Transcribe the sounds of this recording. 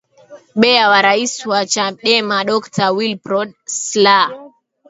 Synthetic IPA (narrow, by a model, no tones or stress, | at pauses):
ɓɛawaɾaiswat͡ʃaɗɛmaɗɔktʰawilpɾɔɗsla